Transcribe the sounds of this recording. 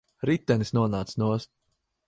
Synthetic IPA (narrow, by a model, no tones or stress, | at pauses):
ɾit̪ːɛnisnuɔnaːt̪snuɔs